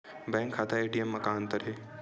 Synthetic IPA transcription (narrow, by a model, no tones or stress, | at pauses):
bɛ̃ːŋkʰːaːt̪ʰaeːʈijəmːɐkaːnt̪ɐɾeː